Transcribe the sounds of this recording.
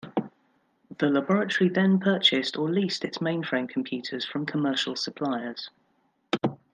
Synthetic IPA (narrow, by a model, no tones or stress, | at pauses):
ðəlabɒɹətəɹiðə̃npʰɜˑt͡ʃɪstʰəliˑstɪtsmẽɪ̃nfɹẽɪ̃mkʰə̃mpʰj̥ʉˑtʰəz̥fɹə̃mkʰəmɜˑʃəlˠsəpʰl̥aɪəz̥